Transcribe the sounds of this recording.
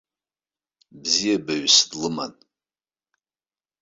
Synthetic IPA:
bzijabaɥsdlɨma̰n

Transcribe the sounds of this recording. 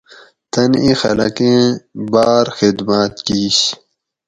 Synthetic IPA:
t̪ɐnĩxɐ̰lɐ̰kẽbaːɾxid̪maːt̪kiːɕ

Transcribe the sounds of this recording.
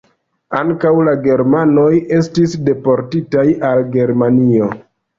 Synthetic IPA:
aŋkawlaɡe̞ɾmano̞je̞s̬tisde̞po̞ɾtitajalɡe̞ɾmanio̞

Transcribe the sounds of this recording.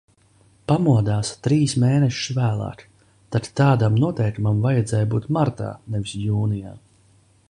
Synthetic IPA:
pamuɔd̪aːst̪ɾiːsmeːnɛʃʃvæːlˠa̰ːk | t̪at̪t̪ːaːd̪amnuɔt̪ɛjkmamvajɛd̪zɛːjbuːt̪maɾt̪a̰ːnɛvisjuːnija̰ː

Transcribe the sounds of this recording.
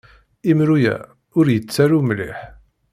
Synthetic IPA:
imɾujæ̰ | ʊɾjət͡sːæɾumlḭħ

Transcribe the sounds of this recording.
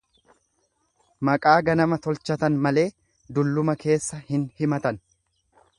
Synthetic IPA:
mɐkʼaːɡɐnɐmɐt̪ɔlt͡ʃɐt̪ɐnmɐle̞ː | d̪ʊlːʊmɐkʰe̞ːsːɐhɪnhɪmɐt̪ɐn

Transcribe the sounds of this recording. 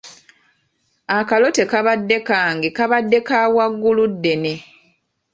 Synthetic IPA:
akalo̞te̞kaβadːe̞kaːŋɡekaβadːe̞kaːwaɡːuludːe̞ne̞

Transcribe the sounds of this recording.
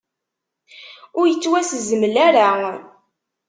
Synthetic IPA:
ʊɾjət͡sːwæsəzəməlæɾa

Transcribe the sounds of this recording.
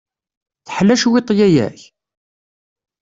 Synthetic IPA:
θəħlːæʃwɪt̪ˤːjæjæ̰ç

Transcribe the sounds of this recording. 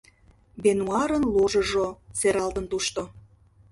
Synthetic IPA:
benuɑɾənluʒɤ̆ʒoseɾɑlt̪ə̆nt̪uʃt̪o

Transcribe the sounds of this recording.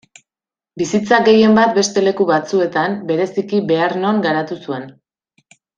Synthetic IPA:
bisit͡saɡe̞je̞mbat̪̚be̞st̪e̞le̞kuβat͡sue̞t̪ambe̞ɾe̞sikibe̞aɾno̞ŋɡaɾat̪usue̞n

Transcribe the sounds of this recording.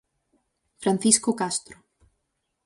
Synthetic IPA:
fɾanθiskokast̪ɾo

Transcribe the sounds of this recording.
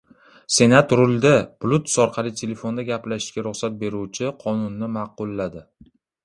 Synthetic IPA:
se̞nat̪ɾʊlˠd̪ab̥lut̪sɒɾqʰɑlˠɪt̪ʰe̞le̞fo̞nd̪aɡʲaplaʃɪ̥ʃkʲaɾʊχsat̪̚be̞ɾuwt͡ʃʰɪqʰɒnʊnːɪmɑqʊlˠːad̪ɪ

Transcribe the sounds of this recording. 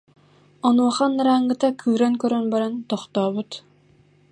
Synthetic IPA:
ɔnuɔχanːaɾaːŋɡɯt̪akʰɯːɾaŋkœɾœnbaɾant̪ɔχt̪ɔːbut̪

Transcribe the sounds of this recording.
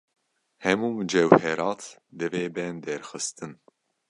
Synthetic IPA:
hɛmuːmɨd͡ʒɛwhɛɾɑːt̪d̪ɨveːbɛnd̪ɛɾxɨst̪ɨn

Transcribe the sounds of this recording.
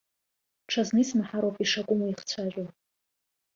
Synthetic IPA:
ʈ͡ʂʰaznɨisʰmaħaɾowpʼiʂakʷʼʊmaiχt͡sʷʰaʒʷᶣo

